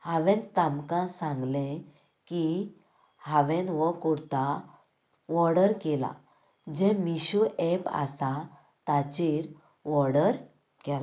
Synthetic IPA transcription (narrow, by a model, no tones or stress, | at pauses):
haʋɛ̃nt̪amkãsãŋɡlɛ̃ | ki | haʋɛ̃nʋəkɔɽt̪a | ʋɔɾɽəɾkela̰ | d͡ʑɛ̃miɕuʔɛpa̰sa | t̪at͡ɕiɾ | ʋɔɾɽəɾ | kɛla